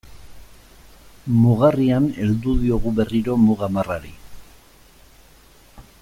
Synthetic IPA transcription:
muɣariane̞ld̪uðio̞ɣuβe̞riɾo̞muɣamaraɾḭ

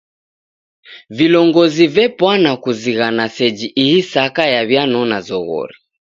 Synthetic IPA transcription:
vilɔŋɡɔzivɛpwanakuziɣanasɛd͡ʒiʔihisakajaβjanɔnazɔɣɔ̰ɾi

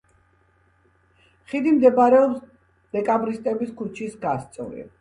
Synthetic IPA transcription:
χid̪imd̪ɛbaɾɛɔps | d̪̥ɛkʼabɾist̪ʼɛbiskʰut͡ʃʰisɡast̪sʼɔɾḭ

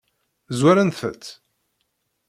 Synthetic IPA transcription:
zwæɾænθə̰t̪ː

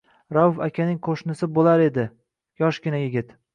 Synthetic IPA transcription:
ɾawʊfakʲʰanɪŋqʰoʃnɪsɪbolaɾe̞d̪ɪ | jɒʃɡʲɪnajɪɡʲɪt̪

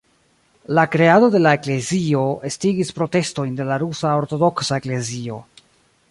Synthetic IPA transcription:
lakɾe̞ado̞de̞lae̞kle̞zio̞estiɡispɾo̞te̞sto̞jnde̞laɾusao̞ɾto̞do̞ksae̞kle̞zio̞

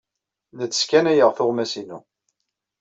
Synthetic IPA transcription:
nət͡sːə̥skænæjəʁθʊʁmæsinu

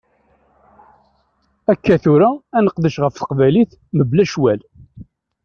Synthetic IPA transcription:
ækːæθuɾaːnəqðəʃʁəfθə̥qvæliθ | məblæʃwæl

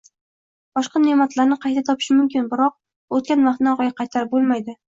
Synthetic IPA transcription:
b̥ɒʃqɑnemat̪laɾnɪqʰɑjt̪ʰat̪ʰɒpʰɪ̥ʃmʊmkʲɪnbɪɾɒq̚ | ot̪̚kʲanvɑχt̪nɪɒqɑɡʲaqʰɑjt̪ʰaɾɪp̚bolˠmajd̪ɪ

